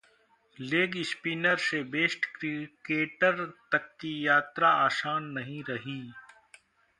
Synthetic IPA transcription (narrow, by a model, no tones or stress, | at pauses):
leːɡɪspiːnəɾsebeːsʈkɾkeːʈəɾt̪ɐkːijaːt̪ɾaaːsaːnːɐɦĩɾɐɦiː